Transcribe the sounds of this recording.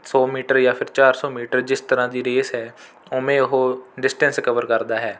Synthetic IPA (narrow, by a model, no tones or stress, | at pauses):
sɔːmiːʈəɾjaːpʰɪɾt͡ʃaːɾsɔːmiːʈəɾd͡ʒɪst̪əɾãːd̪iːɾeːsɦɛː | omẽːʊɦoːɖɪsʈɛ̃nsɪkəʋəɾkəɾd̪aːɦɛː